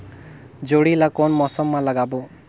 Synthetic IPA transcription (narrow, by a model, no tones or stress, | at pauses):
d͡ʒoɽilakɔnmɔsɔmːalaɡabɔ